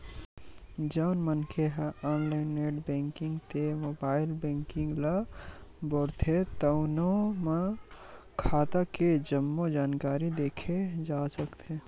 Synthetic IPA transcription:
d͡ʒəʊnmənkʰeɦɔːnlaɪneːɖbɛ̃ːŋkɪ̃ŋɡt̪emoːbaːɪlbɛ̃ːŋkɪ̃ŋɡla | bɔɽt̪ʰet̪ənome | kʰaːt̪aked͡ʒəmːod͡ʒaːnkaːɾid̪eːkʰed͡ʒaːsəkt̪ʰe

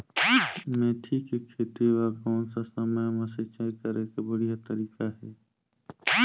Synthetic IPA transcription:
mẽːʈʰikekʰeːt̪iʋakɔːnsasəməjmɐset͡ʃaːikəɾekebəɽijat̪əɾiːkaɦɛː

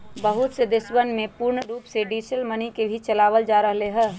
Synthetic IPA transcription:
bəɦʊt̪sed̪ɪswənmẽpuɾɳəɾuːpseɖiːʃəlmənikebʱit͡ʃɐlaːʋəld͡ʒaːɾəɦleɦɛ̃ː

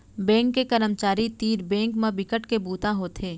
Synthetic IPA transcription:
bɛ̃ːŋkːekəɾəmt͡ʃaːɾit̪iːɾbɛ̃ːŋkmãbɪkəʈkebuːt̪aɦoːt̪ʰeː

